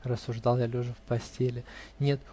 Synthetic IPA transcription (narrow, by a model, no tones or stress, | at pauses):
rəsːʊʐd̪ɑlˠjalʲuʐɨfpɐsʲtʲelʲɪnʲe̞t̪